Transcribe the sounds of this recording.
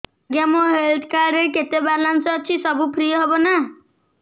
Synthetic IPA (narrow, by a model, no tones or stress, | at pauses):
ɡjamoɦelʈ̪kaɾɾeket̪ebalansɔːt͡ʃʰisɔbupʰɾijɔɦebɔna